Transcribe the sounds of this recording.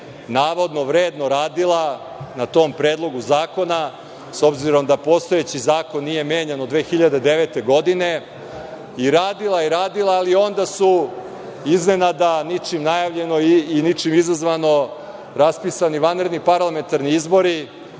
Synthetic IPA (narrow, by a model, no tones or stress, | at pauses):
naːʋo̞d̪noʋɾeːd̪no̞ɾaːd̪ilˠa | nat̪o̞ːmpɾe̞ːd̪lˠo̞ɡuzaːko̞na | so̞bziɾo̞md̪apo̞st̪o̞jet͡ɕizaːkonːije̞meːɲanod̪ʋe̞ːxiʎad̪ed̪e̞ʋet̪e̞ɡo̞d̪ine̞ | iɾaːd̪ilˠaiɾaːd̪ilˠaːlio̞nd̪asu | izne̞nad̪anit͡ʂimnajaʋʎe̞no̞iːnit͡ʂimizazʋano̞ | ɾaspisaniʋanɾed̪nipaɾlˠame̞nt̪aɾniizbo̞ɾi